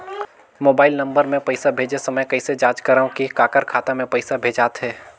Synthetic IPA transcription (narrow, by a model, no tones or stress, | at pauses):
moːbaːɪlnɐ̃mbəɾmẽpɐɪsabʱeːd͡ʒesɐməjkɐised͡ʒaːd͡ʒkəɾaõkikaːkəɾkʰaːt̪amẽpɐɪsabʱeːd͡ʒaːt̪ɦɛː